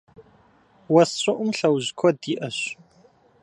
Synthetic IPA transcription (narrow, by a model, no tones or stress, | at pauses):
wɐsɕɐʔʷʊmɬɐwʑkʷʰɔdiːʔɐɕ